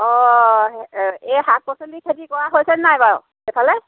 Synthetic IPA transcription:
ɔ | ɛɦak̚pɔsɔndikʰetikɔɹaɦojsɛnːajbaɹ | epʰalɛ

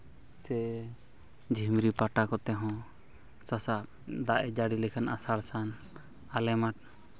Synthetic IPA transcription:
sɛ | d͡ʒʱimɾipaʈakɔt̪ɛɦɔ̃ | sasa | d̪aʔɛd͡ʒaɽilɛkʰanasaɽsan | alɛmaʈ̚

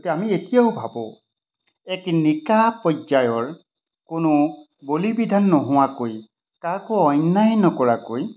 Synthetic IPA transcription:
tɛamietijaʊbʱabɔ̃ | ɛknikapɔzajɔɹ | kʊnʊ | bolibidʱanːɔɦʊwakoj | kakʊɔjnːajnɔkɔɹakoj

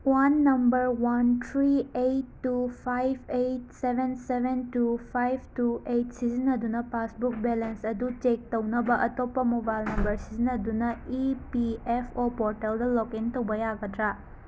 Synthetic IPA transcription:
wanːɐmbɐɾwantʰɾiejtːupʰajb̚ʱʰejt̚sebʱensebʱentupʰajb̚ʱtuejt̚sizinɐdunɐpasbuk̚belensɐdut͡ʃek̚tɐwnɐbɐʔɐtopːɐmubajlnɐmbɐɾsizinɐdunɐipiepʰopoɾteldɐlokintɐwbɐjaɡɐtɾa

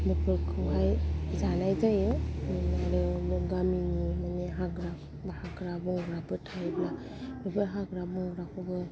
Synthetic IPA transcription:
bipɯkʰɯɦajzanajzajɯnaɾɯɡaminimaneɦaɡɾap | bahaɡɾabuŋɡɾabɯtʰajbla | ɾubɯɦaɡɾabɔŋɡɾakʰɯbɯ

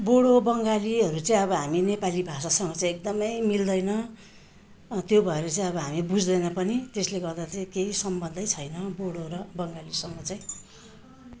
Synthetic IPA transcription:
boɽobʌŋɡaliɦʌɾut͡saĩʌβʌɦaminepalibʱasasʌŋɡʌt͡saĩek̚d̪ʌmʌjmild̪ʌjnʌ | t̪jobʱʌeɾʌt͡saĩʌβʌɦamibud͡zd̪ʌjnʌpʌnit̪esleɡʌrd̪at͡saĩkeisʌmbʌnd̪ʱʌjt͡sʰʌjnʌboɽoɾʌbʌŋɡalisʌŋɡʌt͡saĩ

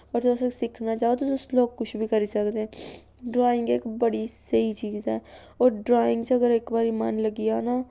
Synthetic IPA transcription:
pəɾt̪ːsẽsɪkʰnaːt͡ʃaːot̪oʊsloːɡ̚kʊt͡ʃʰbʱiːkəɾiːsəkd̪eɛ̃ | ɖɾaːɪŋɡekbəɽisəiːt͡ʃiːzɛ̰ː | oːɾɖɾaːɪ̃ŋɡt͡ʃəɡəɾɪkbaːɾiːma̰ːnləɡijanaː

